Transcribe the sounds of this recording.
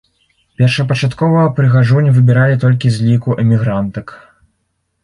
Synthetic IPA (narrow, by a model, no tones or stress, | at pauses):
pʲɛrʂɐpɐt͡ʂat̪kɔvɐpɾɨɣaʐunʲvɨbʲɛɾalʲit̪ɔlʲkʲizʲlʲikuʔɛmʲiɣɾant̪ɐk